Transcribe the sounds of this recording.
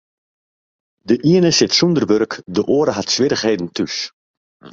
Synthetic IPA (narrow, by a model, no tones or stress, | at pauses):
dəʔiənəsɪtsundərʋørkdəʔoːəɾəɦatsʋɪɾəχɦeːdən̩tys